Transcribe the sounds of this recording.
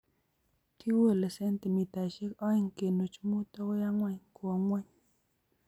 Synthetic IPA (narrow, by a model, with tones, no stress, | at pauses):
tʰi˦wə˦˨lə˨se˦n˦ti˨mi˨ta˨ʃe˦kɔ˦i˨ŋ˨ke˨nu˨t͡ʃu˦mu˦to˦ko˦ja˦ŋwa˦˨ɲko˨o˨ŋwɛ˦ɲ